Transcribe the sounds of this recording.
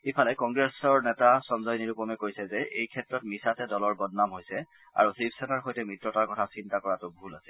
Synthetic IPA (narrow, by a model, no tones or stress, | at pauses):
epʰalɛkɔŋɡɹɛsɔɹnɛtasɔnzɔjniɹupɔmɛkojsɛzɛʔejkʰɛtɹɔtmisatɛdɔlɔɹbɔdnamɦojsɛ | a̰ɹusipʰsɛnaɹxojtɛmɹitɹɔtaɹkɔtʰasintakɔɹatʊbʱulasɛ